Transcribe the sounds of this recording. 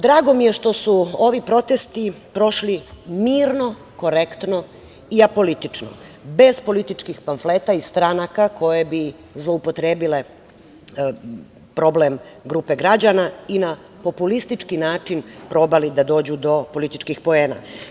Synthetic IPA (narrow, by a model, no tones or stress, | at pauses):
d̪ɾaːɡo̞mije̞ʃt̪o̞suo̞ʋipɾo̞t̪est̪i | pɾo̞ʃlimiːɾno̞ | ko̞ɾekt̪no̞ | iapo̞lit̪it͡ʃno̰be̞zpo̞lit̪it͡ʃkixpanfleːt̪aist̪ɾanakako̞jebi | zlˠoupo̞t̪ɾeːbile̞ | pɾo̞blemɡɾuːpe̞ɡɾad͡ʑanaina | po̞pulist̪it͡ʃkinaːt͡ʃinpɾo̞ːbalid̪ad̪o̞ːd͡ʑud̪o̞po̞lit̪it͡ʃkixpo̞eːna̰